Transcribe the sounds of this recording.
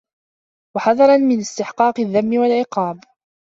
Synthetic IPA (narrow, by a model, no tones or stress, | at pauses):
waħɑðˤɑɾˤɑnmɪnɪst̪ɪħqɑːqɪðːamːɪwalʕɪqɑːb